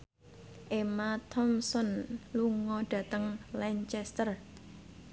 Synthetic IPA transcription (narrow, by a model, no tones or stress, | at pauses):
ʔemat̪ʰɔmsɔnluŋɔɖ̥ä̤t̪əŋlɛɲt͡ʃɛst̪ər